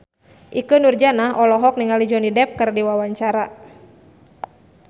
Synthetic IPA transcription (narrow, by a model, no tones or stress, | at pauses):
ʔikənurd͡ʒanaɦʔɔlɔɦɔk̚niŋalid͡ʒɔnidɛp̚kɨrdiwawaɲt͡ʃaɾa